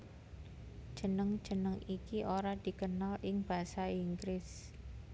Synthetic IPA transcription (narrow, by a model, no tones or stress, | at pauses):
d̥ʒ̥ə̤nəŋ̥ʒ̥ə̤nəŋikiʔoɾad̪̥i̤kənalʔɪŋb̥a̤saiŋɡɾɪs